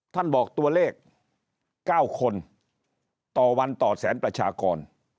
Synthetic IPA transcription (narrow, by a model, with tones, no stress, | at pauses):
t̪ʰa˥˩nbɔː˨˩k̚t̪u˧ɐleː˥˩k̚ː | aː˥˩wkʰo˧n | t̪ɔː˨˩wa˧nt̪ɔː˨˩t̪̚sɛ̰ː˩˦npɾa˧t͡ɕʰaː˧kɔː˧n